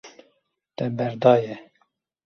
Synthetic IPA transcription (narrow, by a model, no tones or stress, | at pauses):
t̪ɛbɛɾd̪ɑːjɛ